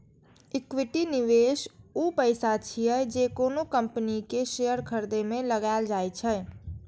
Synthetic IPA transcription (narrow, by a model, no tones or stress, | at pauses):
ɪkwɪʈinɪʋeːʃuːpəɪsat͡ʃʰiɛd͡ʒekoːnokə̃mpənikeʃejəɾkʰəɾd̪emẽləɡaɪld͡ʒaːjt͡ʃʰɛː